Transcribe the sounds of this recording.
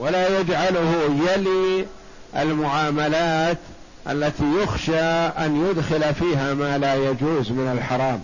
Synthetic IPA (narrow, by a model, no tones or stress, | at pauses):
walajad͡ʒʕalʊhʊjali | ʔɪ̰lmʊʕaːmalaːt̪ | ʔa̰lːat̪ijʊxʃaʔanjʊd̪xɪlafiːɦamaːlaːjad͡ʒuːzmɪnalħɑɾˤɑːm